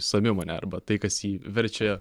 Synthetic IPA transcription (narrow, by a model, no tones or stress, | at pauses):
sɐmʲɪmɐːnʲɛ̰ɐ̰ɾbɐt̪ɐɪkɐsiːʋʲɛɾʲt͡ʃʲɛ